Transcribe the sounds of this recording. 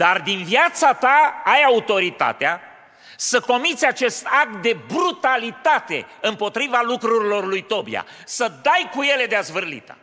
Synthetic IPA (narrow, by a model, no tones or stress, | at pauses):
d̪̥ard̪inviat̪sat̪aajaut̪o̞ɾit̪a̰t̪ea | səko̞mit̪sʲat͡ʃe̞st̪ak̚t̪̚d̪e̞bɾut̪alit̪at̪e̞̰ɨmpo̞t̪ɾivalukɾuɾilo̞rlujt̪o̞bḭa̰ | səd̪ajkuje̞le̞d̪eazvɨrlḭt̪ə̥̰